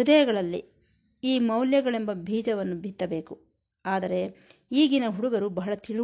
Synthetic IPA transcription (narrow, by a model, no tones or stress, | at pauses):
ud̪ɐjɐɡɐɭɐlːḭ | iːmɐwljɐɡɐɭe̞mbɐbʱiːd͡ʒɐʋɐnːubʱit̪ːɐbe̞ːku | aːd̪ɐɾe̞iːɡinɐɦuɽuɡɐɾubɐɦɐɭɐt̪iɭu